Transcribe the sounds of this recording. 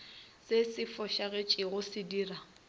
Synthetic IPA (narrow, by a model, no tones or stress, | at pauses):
sesɪfɔʃaɣet͡ʃʼɪɣʊsɪdiːra